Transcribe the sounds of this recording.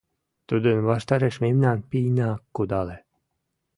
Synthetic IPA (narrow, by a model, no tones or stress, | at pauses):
t̪ud̪ɨnvaʃt̪aɾeʃmemnanpiːnakːud̪alɛ